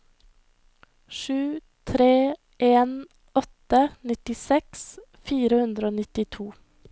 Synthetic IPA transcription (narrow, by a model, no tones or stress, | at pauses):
ʃʉː | t̪ʰɾeː | ʔeːn | ɔt̪ənɪt̪ɪsɛks | fiːɾəhʉnd̪ɾəoːnɪt̪ɪt̪ʰuː